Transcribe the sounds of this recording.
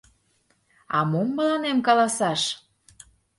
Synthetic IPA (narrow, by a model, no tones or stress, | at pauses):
ɑ̰momːəlɑnemkɑlɑsɑʃ